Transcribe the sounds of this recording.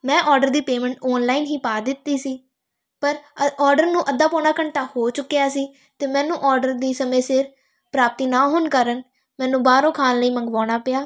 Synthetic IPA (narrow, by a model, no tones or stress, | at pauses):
mɛ̃ːʔɔːɾɖəɾd̪iːpeːmɛ̃ːɳʈɔːnlaːiːnɦiːpaːd̪ɪt̪ːiːsiː | pəɾɔːɾɖəɾnũːʔəd̪ːaːpɔːnɳaːkəɳʈaːhoːt͡ʃʊkːijaːsiː | t̪eːmɛ̃ːnũːʔɔːɾɖəɾd̪iːsəmẽːsɪɾ | pɾaːp̚t̪iːnaːɦʊnkəɾən | mɛ̃ːnũːbaːɾõːkʰaːnləiːməŋɡʋaːɽ̃aːpɪjaː